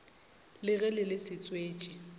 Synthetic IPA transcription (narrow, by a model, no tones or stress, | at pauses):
lɪɣɛlɪlɪsɪt͡sʼweːt͡ʃʼi